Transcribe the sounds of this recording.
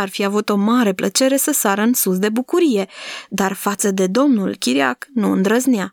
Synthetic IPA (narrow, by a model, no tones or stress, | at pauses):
arfiavut̪o̞maɾe̞plət͡ʃe̞ɾe̞səsaɾəɨnsus̬d̪e̞bukuɾije̞d̪arfat̪səd̪e̞d̪o̞mnulkʲiɾia̰knuɨ̰nd̪ɾəznɪa